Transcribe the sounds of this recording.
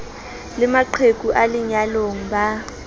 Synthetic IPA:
lɪmaǃʰek̬ʼuʔaliɲaloŋ̩ba

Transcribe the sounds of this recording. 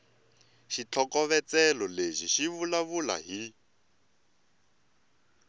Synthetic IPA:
ʃit͡ɬʰɔkɔβɛt͡sɛlɔleʒiʃiβulaβula̰ɦi

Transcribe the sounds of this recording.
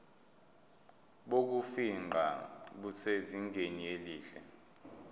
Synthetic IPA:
ɓok̬ufiŋ͡ǃʱaɓuseziŋɡʱenieliːɬɛ̰

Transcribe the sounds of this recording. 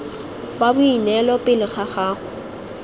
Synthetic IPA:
babʊinɛlɔpʼɪlɪχaχaːχʊ

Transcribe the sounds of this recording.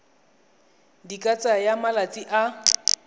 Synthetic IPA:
dikʼat͡sʼajamalat͡sʼiʔa

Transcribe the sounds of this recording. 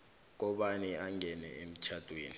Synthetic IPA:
k̬ɔɓaniaŋʱɛnɛ̰em̩t͡ʃʰatʼweːni

